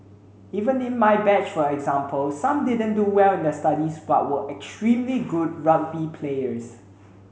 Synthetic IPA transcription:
ivə̃nɪ̃nmajbɛt͡ʃfɔɛɡzãmpʰəlsãmdɪdə̃nduwɛlɪ̃ndəstadisba̰t̚wəʔɛkstɹĩmliɡud̚ɹat̚bipʰleəs

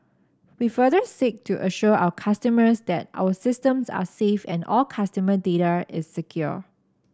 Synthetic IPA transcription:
wifədəsik̚tʰuʔəʃuʔawəkʰastəməsd̪ɛta̰wəsɪstə̃msa̰sefɛ̰̃nɔlkʰastəmədeɾaɪsːəkʰjɔ̰

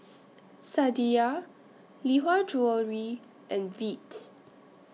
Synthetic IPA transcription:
sadia | liɦad͡ʒuəlɹi | ʔɛ̃nvit

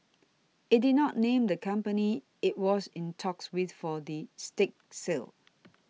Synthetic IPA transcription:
ɪt̚didⁿnɔtnẽmdəkʰãmpəni | ɪt̚wɔsɪ̃ntʰɔkswidfɔdistɪk̚sɪl

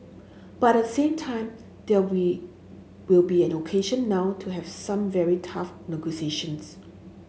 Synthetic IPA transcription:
b̥atɛtsẽmtʰãɪ̃m | d̪ɛwi | wilbiɛ̃nokʰeʃə̃nːaʊtʰuɦɛvsãmvɛɹitʰafnɛɡosieʃə̃ns

